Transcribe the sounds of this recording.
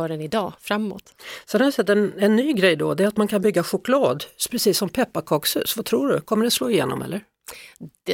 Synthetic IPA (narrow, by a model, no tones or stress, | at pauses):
ɾənɪd̪ɑːfɾamːo̰ːt̪sɛnhavɪsɛt̪ːɛnɛnːyːɡɾɛjd̪ɔ̰d̪ɛæɾat̪mankʰanbʏɡːaɧʊklɑːd̪pʰɾɛsiːsːɔmpʰɛpːakʰɑːkshʉ̟̰ːsvat̪ʰɾuːɖɵkʰɔmːəɖɛsloːɪjḛːnɔ̰mʔɛ̰lːəɾ